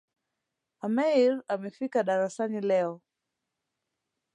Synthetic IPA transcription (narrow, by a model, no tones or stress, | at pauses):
amɛiɾamɛfikaɗaɾasanilɛɔ